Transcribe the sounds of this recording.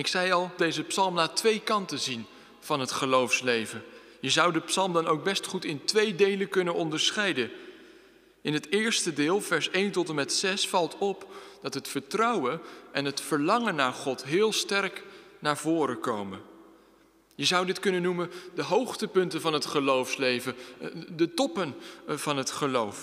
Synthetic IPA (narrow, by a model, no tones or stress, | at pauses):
ɪksɛjɑlˠdejzəpsɑlˠmnaːtʋejkɑntəzin | v̥ɑnɦətχəlowfslejvən | jəzʌwdəpsɑlˠmdɑnowɡ̚bɛstχutɪntʋejdejləkɵnənɔndəɹsχɛjdən | ɪnɦətɪːɹstədɪːlˠvɛɹsejntɔtəmɛtsɛsfɑlˠtɔpd̥ɑtɦətfəɹtrʌwənɛnɦətfəɹlɑŋənːaːɹχɔtɦɪːlˠstɛrknaːɹvʊːɾəkowmən | jəzʌwdɪtkɵnənːuməndəɦowχtəpɵntənvɑnɦətχəlowfslejvədətɔpənv̥ɑnɦətχəlowf